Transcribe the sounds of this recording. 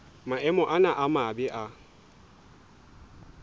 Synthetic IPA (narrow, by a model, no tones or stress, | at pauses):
maʔɛmɔʔanaʔamaːbɪʔa